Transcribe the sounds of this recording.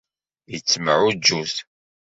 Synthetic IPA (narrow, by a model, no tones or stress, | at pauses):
jət͡sːməʕud͡ʒːuθ